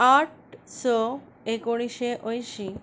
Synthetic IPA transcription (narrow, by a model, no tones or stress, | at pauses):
aʈ | sɔ | ekoɽ̃iʃeʔojʃi